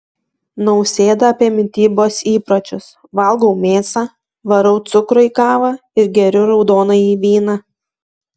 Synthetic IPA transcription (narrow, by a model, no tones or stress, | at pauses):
nɐʊsʲeːd̪ɐɐpʲiɛmʲɪt̪ʲiːboːsiːpɾɐt͡ʃʲʊs | ʋɐlˠɡɔʊmʲeːsɑ | ʋɐɾɔʊt̪sʊkɾʊiːkɑːʋɑ | ɪɾɡʲɛɾʲʊɾɒʊd̪oːnɐiːʋʲiːnɐ